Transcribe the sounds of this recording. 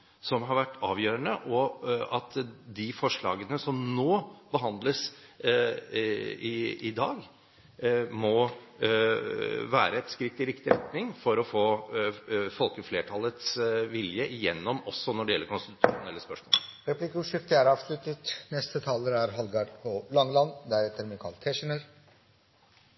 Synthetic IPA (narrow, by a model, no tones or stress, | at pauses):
sɔmɦɑɾʋæʈːɑːʋjøːɾəɳəʔɔɑt̪d̪ɪfɔʂɭɑ̰ːɡənəsɔmnoːbəɦɑnd̪ləs | ɪɪd̪ɑːɡ | mɔ | ʋæːɾəɛt̪skɾɪt̪ːɪɾɪkt̪ɪɾɛt̪nɪŋfɔɾɔfoː | fɔlkəfleːʈʰɑlət̪sʋɪljəʔɪjɛnːɔmɔsːɔnɔɖɛjɛlːəɾkʰʊnst̪ɪt̪t̪ʂuːʊnɛlːəspœʂmo̰ːəɾɛplɪkəuʂʏkt̪ɪæɾɑːʋslʉt̪ət̪nɛst̪ət̪ʰɑːləɾæɾɦɑlɡɑɖpʰɔlɑŋlɑnd̪æɾɛt̪əɾmɪkʰɑ̰lt̪ʰɛʂənəɾ